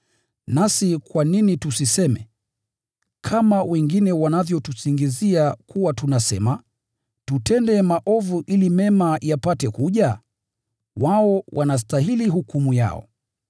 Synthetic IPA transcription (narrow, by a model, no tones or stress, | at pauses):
nasikwaninitusisɛmɛ̰ | kʰamawɛŋɡinɛwanavjɔtusiŋɡiziakuwatunasɛ̰ma | tutɛndɛmaʔɔvuʔilimɛmajapatɛkuʄa | waɔwʔanas̬taɦiliɦukumuja̰ɔ̰